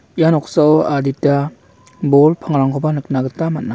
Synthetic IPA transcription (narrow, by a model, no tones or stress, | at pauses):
janɔksaɔaditːa | bɔlpʰaŋɾaŋkʰɔbanɯk̚naɡɯtamat̚na